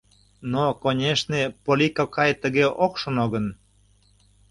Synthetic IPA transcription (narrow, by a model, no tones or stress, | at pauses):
nokonʲeʃnepolʲikokɑjt̪əɣeʔokʃonoɣən